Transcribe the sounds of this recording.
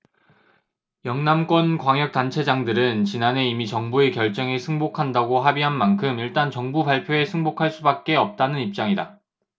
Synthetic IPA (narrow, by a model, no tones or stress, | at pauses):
jʌŋnamk͈wʌnkwaŋjʌk̚t͈ant͡ɕʰe̞d͡ʑaŋdɯɾɯnt͡ɕinane̞imit͡ɕʌŋbue̞kjʌɭt͡ɕ͈ʌŋesʰɯŋbokʰandaɡoɦabiɦanmankʰɯmiɭt͈ant͡ɕʌŋbubaɭpʰjoe̞sʰɯŋbokʰaɭs͈ubak̚k͈e̞ʌp̚t͈anɯnip̚t͡ɕ͈aŋida